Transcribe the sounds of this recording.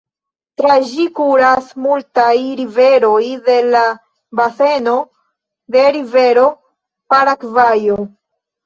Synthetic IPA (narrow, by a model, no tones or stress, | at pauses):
tɾad͡ʒikuɾasmultajɾive̞ɾo̞jde̞la | base̞no̞ | de̞ɾive̞ɾo̞ | paɾakvajo